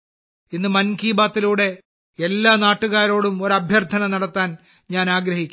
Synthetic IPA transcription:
inːɨmɐnkiːbaːt̪ːiluːɽe̞ | elːaːnaːʈːuɣaːɾo̞ːɽumo̞ɾɐbʱjɐrt̪ʰɐnɐnɐɽɐt̪ːaːn | ɲaːnaːɡɾɐɦikʲːu

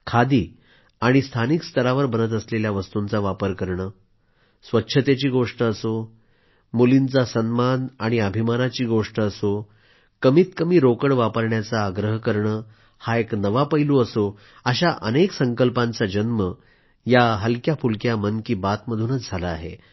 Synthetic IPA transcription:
kʰad̪iː | aɽ̃ist̪ʰanikst̪ʰəɾaʋəɾbənət̪̬əsleljaʋəst̪unt͡saʋapəɾkəɾɳəː | sʋətːɕʰət̪et͡ɕiːɡoʂʈəːso | mulint͡sasənmanaɽ̃iəbʱimanat͡ɕiːɡoʂʈəːso | kəmiːt̪kəmiːɾokəɽʋapəɾɳjat͡saːɡɾəɦkəɾɳəː | haeknəʋapəɦiluəso | əɕaʔəneksəŋkəlpãnt͡sad͡ʑənmə | jaɦəlkjafulkjamənkiːbat̪məd̪ʱunət͡sd͡zʱalaːɦḛ

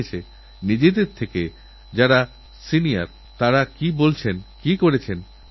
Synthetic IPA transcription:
et͡ɕʰe | nid͡ʑed̪eɾt̪ʰeke | d͡ʑaɾa | sinija̰ɾ | t̪aɾakibolt͡ɕʰenkikoɾet͡ɕʰen

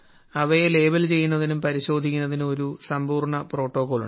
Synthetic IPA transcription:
ɐʋɐjele̞ːbɐlt͡ɕe̞jːunːɐðinumpɐɾiɕo̞ːd̪ʱikʲːunːɐðino̞ɾusɐmbuːrɳɐpro̞ːʈːo̞ːkoːlṵ

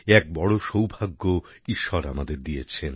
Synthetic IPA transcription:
ɛk̚bɔɽoʃowbʱaɡːo | iʃːɔɾamad̪eɾd̪ijet͡ɕʰen

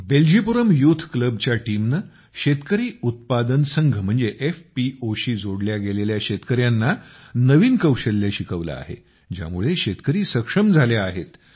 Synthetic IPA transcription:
beld͡ʑʱipuɾəmjut̪ʰkləbt͡ɕjaʈimnə | ɕet̪kəɾiːut̪̚pad̪ənsəŋɡʱəm̤əɳd͡zeʔefpioɕiːd͡zoɽljaɡeleljaɕet̪kəɾjanːanəʋiːnkəwɕəlːeɕikʰəʋla̰a̰ɦḛ | d͡ʑja̰muɭeɕet̪kəɾiːsəkʂəmd͡zʱaleaɦet̪

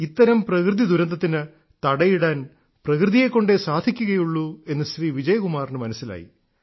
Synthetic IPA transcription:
it̪ːɐɾɐmprɐkrɨðid̪uɾɐnd̪ʱɐt̪ːinɨ | t̪ɐɽɐjiɽaːn | prɐkrɨðije̞kːoɳɖesaːd̪ʱikʲːuɣɐjuɭːue̞nːɨɕriːʋid͡ʑɐjɐɣumaːrnɨmɐnɐsːila̰ːjḭ

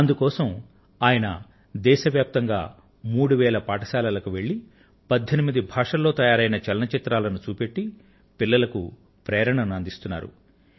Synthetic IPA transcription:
ɐnd̪ukɔːsɐm | aːjɐnɐ | d̪ɛːʃɐʋjaːp̚t̪ɐŋɡa̰ː | muːɽuʋɛːlɐpaːʈɐsaːlaːlɐkuʋe̞ɭːi | pɐd̪ʱːenimid̪ibʱaːʂɐlːo̞ːt̪ɐjaːɾɐjnɐt͡ʃɛlnɐt͡ʃit̪ɾaːlɐnut͡ʃuːpe̞ʈːi | pilːɐlɐku | pɾɛːɾɐɳɐnuɐnd̪ist̪unːa̰ːɾṵ

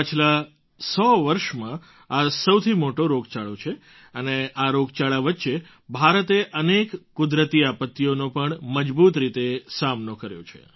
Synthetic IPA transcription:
pət͡ʃʰla | sɔʋəɾʃmã | asəwt̪ʰimoʈoɾoɡt͡ʃaɭot͡ʃʰe | əneaɾoɡt͡ʃaɭaʋət̪ːʃe | bʱaɾət̪eʔənekkʊd̪ɾət̪iapət̪ːijonõpəɳməd͡ʒbut̪ɾit̪esamnokəɾjo̰t͡ʃʰḛ

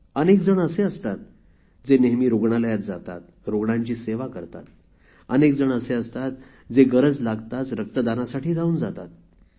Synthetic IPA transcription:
ənekd͡zəɳəseəst̪at̪̚ | d͡zeneɦmiːɾoɡɳaləjat̪̚d͡zat̪a̰t̪̚ | ɾoɡɳaɲt͡ɕiːseʋakəɾt̪a̰t̪ | ənekd͡zəɳəseəst̪at̪ | d͡zeɡəɾəd͡zlaɡt̪at͡sɾək̚t̪əd̪anasaʈiːd͡zauːnd͡zat̪a̰t̪̚

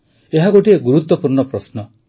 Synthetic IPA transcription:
eɦaɡoʈieɡuɾut̪wɔpuɾnɔpɾɔsnɔ

